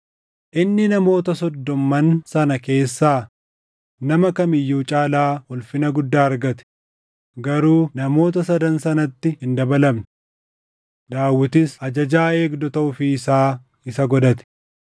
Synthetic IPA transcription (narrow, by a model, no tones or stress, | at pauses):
ʔɪnːɪnɐmo̞ːt̪ɐsɔd̪ːɔmːɐnsɐnɐke̞ːsːaː | nɐmɐkɐmɪjːuːt͡ʃʼaːlaːhɔlfɪnɐɡʊd̪ːaːɐɾɡɐt̪ɛ̥ | ɡɐɾuːnɐmo̞ːt̪̬ɐsɐd̪ɐnsɐnɐt̪ːɪhɪnd̪ɐbɐlɐbnʊ | d̪aːwːɪt̪ɪsɐd͡ʒɐd͡ʒaːe̞ːɡd̪ɔt̪ɐʔʊfɪːsaː | ɪsɐɡɔd̪ɐt̪ɛ̥